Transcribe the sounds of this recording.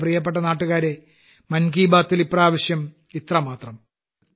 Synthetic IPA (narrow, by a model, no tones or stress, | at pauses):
prijɐp̬ːeʈ̬ːɐnaːʈːuɣaːɾe̞ | mɐnkiːbaːt̪ːilipːraːʋɐɕjɐm | it̪rɐmaːt̪rɐm